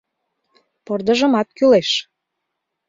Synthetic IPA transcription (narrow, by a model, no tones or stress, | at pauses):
pord̪ə̆ʒə̆mɑt̪̚kyleʃ